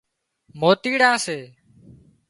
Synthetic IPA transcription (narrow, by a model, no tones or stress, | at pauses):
moːt̪iːɽãːseː